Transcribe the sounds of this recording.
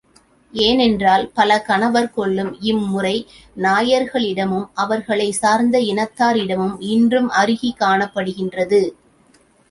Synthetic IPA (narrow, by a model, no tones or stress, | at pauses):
eːnɛndraːlpɐlɐkɐnɐʋɐɾkɔɭːɯmɪmːʊrɐɪ | naːjɐɾɣɐɭɪɽɐmɯmʔɐʋɐɾɣɐɭɐɪsaːɾnd̪ɐɪnɐt̪ːaːɾɪɽɐmɯmɪndrɯmɐɾɯɣikːaːɳɐpːɐɽɯɣɪndrɐðɯ